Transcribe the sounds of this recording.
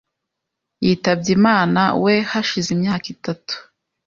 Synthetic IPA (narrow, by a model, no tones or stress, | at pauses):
jiːtab̚ɟimaːna̰wehaʃizimɲaːkitatu̥